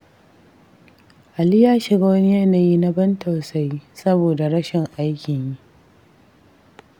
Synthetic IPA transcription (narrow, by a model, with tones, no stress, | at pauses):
ʔa˨liː˦jaː˦ʃɪ˨ɡa˦wɐ˦ni˦jɛ˦naː˨jiː˦na˦bɐ˦nta˨wsa˦jsɐ˦boː˨da˨ɽɐ˦ʃɪ˨ŋʔa˦jkʲɪ˨ɲji˦ʔ